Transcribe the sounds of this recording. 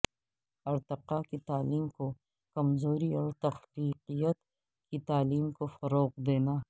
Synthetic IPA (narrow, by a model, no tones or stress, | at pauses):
ɐɾt̪ɪqakit̪aːliːmko | kɐmzoːɾiɔːɾt̪ɐxliːqijət̪ | kit̪aːliːmkofɐɾoːqd̪eːnaː